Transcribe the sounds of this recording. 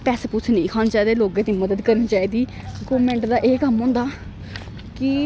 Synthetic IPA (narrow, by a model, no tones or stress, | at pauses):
pɛːseːpʊt͡ʃʰnə̃ĩːkʰaːnːt͡ʃaːd̪eːloːɡẽːt̪iːməd̪əd̪kəɾniːt͡ʃaːiːd̪iː | ɡoːʋmẽːɳʈd̪aːʔeːkəmɦõːnd̪aː | kɪ